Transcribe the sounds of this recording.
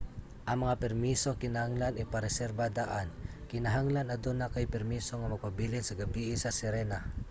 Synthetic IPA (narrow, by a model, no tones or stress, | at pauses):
ʔɐŋmɐŋapɛɾmisokɪnahaŋlanɪpaɾɛsɛɾbad̪aʔankɪnaɦaŋlanɐd̪onakajpɛɾmiːso̞ŋɐmɐɡ̚pabilɪnsɐɡɐbiʔɪsɐsɪɾɛna